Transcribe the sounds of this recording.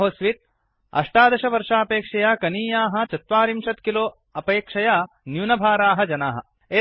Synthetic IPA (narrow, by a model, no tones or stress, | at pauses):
ɦoːsʋit̪̚ | ɐ̰ʂʈaːd̪ɐʃɐʋɐɾʂaːpeːkʂɐjaːkɐniːjaːɦɐ̆t͡ʃɐt̪ʋaːɾimʃɐt̪kiloː | ɐpeːkʂɐjaː | njuːnɐbʱaːɾaːɦɐd͡ʒɐnaːɦɐ̰̆ | eː